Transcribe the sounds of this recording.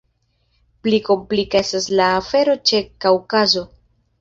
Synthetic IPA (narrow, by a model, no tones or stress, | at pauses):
pliko̞mplikaestaslaːfe̞ɾo̞t͡ʃekawkazo̞